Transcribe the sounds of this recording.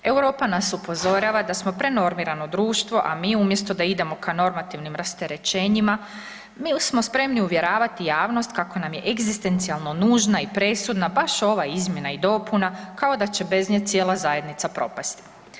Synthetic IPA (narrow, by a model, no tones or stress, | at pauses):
ewɾo̞ːpanasupo̞zo̞ɾaʋad̪asmo̞pɾe̞no̞ɾmiɾano̞d̪ɾuːʃt̪ʋo̞ʔamiːumjest̪o̞d̪aid̪e̞mo̞kʰano̞ɾmat̪iʋnimɾast̪e̞ɾe̞t͡ʃe̞ːɲima | mismo̞spɾe̞mniuʋje̞ɾaːʋat̪ijaːʋno̞st̪kako̞namje̞ʔeɡzist̪e̞nt̪sialˠno̞nuːʒnaipɾe̞sud̪nabaʃo̞ʋaizmʲje̞naid̪o̞ːpunakao̞d̪at͡ɕe̞be̞zɲet̪sje̞ːlˠazaje̞d̪nit̪sapɾo̞̰past̪i̥